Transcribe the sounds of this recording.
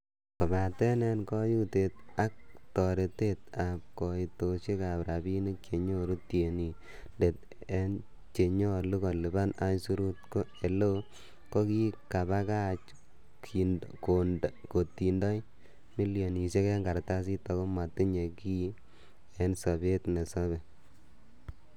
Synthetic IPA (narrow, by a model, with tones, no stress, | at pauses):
kɔ˨ba˨tɛ˦nɛ˦nkɔ˦ju˦te˨t̚a˦k̚tɔ˨ɾe˨te˦t̚a˨p̚kɔ˨i˨to˨ʃe˦ka˨pɾa˨bi˦ni˦t͡ʃe˨ɲo˦ɾu˦tje˨ni˨ | nde˨t̚ | e˦n | t͡ʃe˨ɲɔ˦lu˦ka˨li˨ba˦na˦ɲsu˦ɾu˦tko˦e˨lo˦ | kɔ˦ki˦ka˨ba˦ka˦t͡ʃ | kʰi˨nkondko˨tːi˨ndɔ˦j | mi˦lijo˨ni˨se˦ke˦ŋɡa˨ɾta˦s̬i˦tɔ˨ko˦ma˨ti˦ɲe˨ki˦ | ɛ˦nsɔ˨be˦tne˨sɔ˦bɛ˨